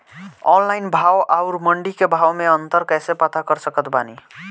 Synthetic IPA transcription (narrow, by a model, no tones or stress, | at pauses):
ɔnlajnbʱawʔaʊɾməɳɖikebʱawmeənt̪əɾkɛjsepat̪ʰakəɾsəkət̪bani